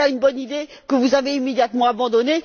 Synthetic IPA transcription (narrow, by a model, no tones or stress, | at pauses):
aynbɔnid̪e | kəvuzaveimed̪jat̪mɑ̃abɑ̃d̪ɔne